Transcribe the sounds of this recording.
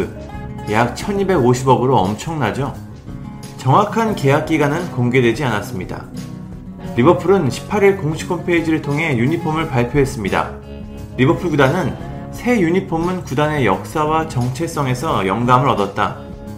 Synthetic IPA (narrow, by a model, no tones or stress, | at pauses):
jak̚t͡ɕʰʌɲibe̞ɡoɕʰibʌɡɯɾoʌmt͡ɕʰʌŋnad͡ʑo | t͡ɕʌŋwakʰanke̞ak̚k͈iɡanɯnkoŋɡe̞dwe̞d͡ʑianas͈ɯmɲida̰ | ɾibʌpʰɯɾɯnɕʰi̥pʰːaɾiɭkoŋɕʰi̥kʰːompʰeid͡ʑiɾɯɭtʰoŋɦe̞juɲipʰomɯɭpaɭpʰjoɦe̞s͈ɯmɲida̰ | ɾibʌpʰɯɭɡudanɯn | sʰe̞juɲipʰomɯnkudane̞jʌk̚s͈awat͡ɕʌŋt͡ɕʰe̞s͈ʌŋe̞sʰʌjʌŋɡamɯɾʌdʌt̚t͈a̰